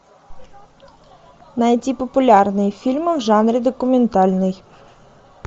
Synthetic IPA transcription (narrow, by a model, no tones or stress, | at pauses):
nɐjtʲipɔpʊlʲarnɨjfʲilʲmɪwʒɑnɾʲid̪ɔkʊmʲɛnt̪ɑlʲnɔj